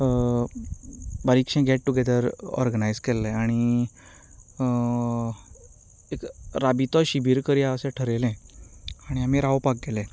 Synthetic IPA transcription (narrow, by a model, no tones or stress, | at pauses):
baɾikʂɛ̃ɡɛʈʈːuɡed̪əɾɔ̰ɾɡənajd͡zkelːɛaɽ̃i | ekɾabit̪ɔɕibʱiːɾkəɾiaəsẽʈʰəɾelɛ̃aɽ̃iam̤iɾawpak̚ɡelɛ̃